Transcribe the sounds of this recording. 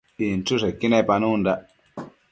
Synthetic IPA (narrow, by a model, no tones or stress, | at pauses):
intusɛkinɛpanunda